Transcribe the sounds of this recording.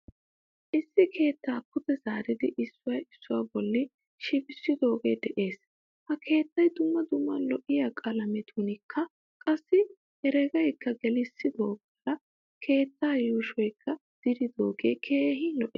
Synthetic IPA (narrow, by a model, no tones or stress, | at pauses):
ʔɪsːɪkʰe̞ːt̪ːaːpʰːʊt̪ɛzaːɾɪd̪ɪʔɪsːʊwɐjɪsːʊwaːbɔlːɪ | ʃɪbɪsːɪd̪o̞ːɡeːd̪ɛʔe̞ːs | hɐkʰe̞ːt̪ːɐjd̪ʊmːɐd̪ʊmːɐlɔʔɪjaːkʼɐlɐmɛt̪ʰunɪkʰːɐ | kʼɐsːɪ | hɛɾɛɡɐjkːɐɡɛlɪsːɪd̪o̞ːɡɐɾɐ | kʰe̞ːt̪ːaːjuːʃɔjkʰːɐd̪̥ɪd̪ɪd̪oːɡeːkʰe̞ːɦɪlɔʔeː